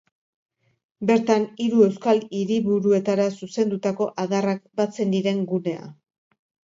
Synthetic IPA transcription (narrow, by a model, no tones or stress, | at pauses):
be̞ɾt̪aniɾue̞wskaliɾiβuɾue̞t̪aɾasuse̞nd̪ut̪ako̞ʔaðarak̚bat͡se̞nd̪iɾe̞ŋɡune̞a̰